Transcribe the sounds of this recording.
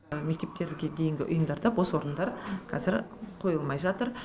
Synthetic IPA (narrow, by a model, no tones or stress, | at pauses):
me̞k̚t̪e̞p̚t̪e̞ɾɡʲed̪e̞jɪŋɡʲɪʔʊ̰jəmd̪ɑɾd̪ɑpwo̞swo̞ɾənd̪ɑɾqʰɑzɪɾqʰo̞jəlˠmɑjʒɑt̪əɾ